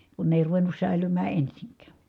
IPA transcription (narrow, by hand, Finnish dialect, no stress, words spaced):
kun ne eˑi̯ ruʋenˑus sæˑilymæː ensiŋkˑæˑ